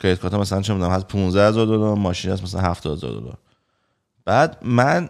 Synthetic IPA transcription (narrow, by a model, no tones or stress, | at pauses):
kʰejet̪̚ʰkʰɔt̪ʰɔmæs̬ælænt͡ʃʰemid̪unæmhæspʰũnzd̪æhezɔɾd̪od̪ɔɾmɒːʃinæs̬mæsælæ̰nhæft̪ɒhezɒ̰ːɾd̪o̰ld̪ɔ̰ɾ | b̥æːd̪mæn